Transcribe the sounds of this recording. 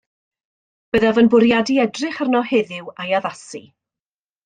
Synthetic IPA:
b̥əðavənbʊɾjadiɛdrɪχərnɔhɪðɪwajaðasḭ

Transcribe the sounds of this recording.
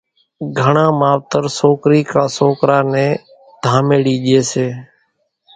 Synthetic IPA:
ɡʱəɳãːmaːʋt̪əɾsoːkɾiːkãːsoːkɾaːnɛ̃ː | d̪ʱaːmeːɽiːʄeːseː

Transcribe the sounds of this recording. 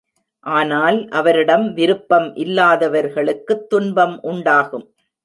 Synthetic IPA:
ʔaːnaːlʔɐʋɐɾɪɽɐmʋɪɾɯpːɐmʔɪlːaːðɐʋɐɾɣɐɭɯkːɯt̪ːʊnbɐmʔʊɳɖaːɣɯm

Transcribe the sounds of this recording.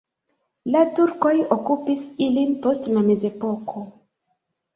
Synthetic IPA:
latuɾko̞jokupisilinpo̞stlame̞ze̞po̞kʰo̞

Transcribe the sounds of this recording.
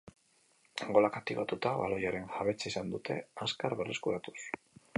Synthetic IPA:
ŋɡo̞lakat̪iβat̪ut̪aβa̰lo̞jaɾe̞nxaβe̞t͡saisand̪ut̪ʰe̞̰askaɾβereskuɾat̪u̥s

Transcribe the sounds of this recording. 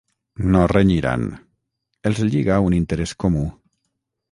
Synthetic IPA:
noreɲiɾa̰n | elzʎiɣaunint̪eɾeskomu

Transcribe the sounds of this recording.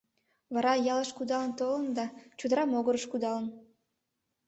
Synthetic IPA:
βɑɾɑjɑləʃkud̪ɑlənt̪olənd̪ɑt͡ɕud̪əɾɑmoɣəɾəʃkud̪ɑlən

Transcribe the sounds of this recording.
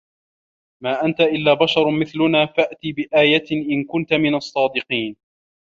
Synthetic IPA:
maːʔant̪aʔɪlːaːbaʃɑɾˤmɪθlʊnaːfaʔt̪ibɪʔaːjat̪ʔɪnkʊnt̪amɪnɑsˤːɑːd̪ɪqiːn

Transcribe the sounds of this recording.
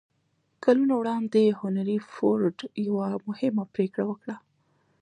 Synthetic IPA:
kalunawɽɑnd̪ehʊnaɾifoɾɖjawamʊhɪmapɾekɽawəkɽa

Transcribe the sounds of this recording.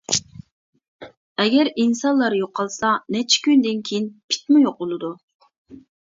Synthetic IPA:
ɛɡʲɛɾinsɑnlˠɑɾjoqʰːɑlˠsɑnɛt͡ʃʰi̥kʲynd̪ɪnkʲʰejinpʰi̥t̪mujoq̚bolˠɨd̪u

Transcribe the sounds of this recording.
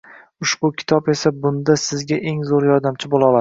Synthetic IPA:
ʊʃbʊkʲʰɪ̥t̪ʰɒpe̞sabʊnd̪asɪzɡʲaʔe̞ŋzoɾjɒɾd̪amt͡ʃʰɪbolˠɒlˠad̪ɪ

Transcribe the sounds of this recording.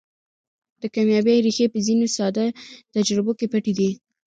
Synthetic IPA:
d̪̥əkamjɑbejɾixepəzinosɑd̪at̪ad͡ʒɾɪbokepəʈid̪i

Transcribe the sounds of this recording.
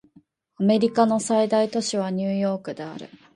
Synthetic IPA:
ame̞ɾʲikano̞said̪ait̪o̞ɕiβ̞aɲ̟ɨːjo̞ːkɯ̟d̪e̞a̰ɾɯ̟̰

